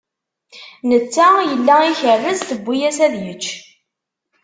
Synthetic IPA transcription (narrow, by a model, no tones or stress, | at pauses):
nət͡sːæjəlːæiçəɾvəzθəbʷːijæsæðjət͡ʃː